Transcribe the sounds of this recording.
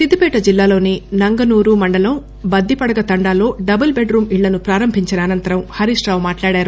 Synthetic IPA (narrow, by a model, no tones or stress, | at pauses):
sid̪ipɛːʈɐd͡ʒilːaːlo̞ːninɐŋɡɐnuːɾuːmɐɳɖɐlɐm | bɐd̪ːipɐɽɐɡɐt̪ɐɳɖaːlo̞ːɖɐbɐlbeɖɾuːmiɭːɐnupɾaːɾɐmbʱiɲt͡ʃɐnɐːnɐnt̪ɐɾɐmhɐɾiʂɾaːʋumaːʈlaːɽaːɾu